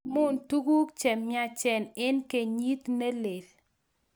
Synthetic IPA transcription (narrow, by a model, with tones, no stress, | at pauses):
mʊ˦˨ntu˦ɡu˦kt͡ʃɛ˨mja˦t͡ʃɛ˨nɪ˦nke˨ɲi˦t̪ne˦le˨l